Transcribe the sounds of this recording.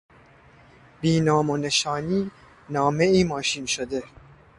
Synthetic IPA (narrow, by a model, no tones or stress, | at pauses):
biːnɒːmone̞ʃɒːniː | nɒːme̞iːmɒːʃiːnʃod̪e̞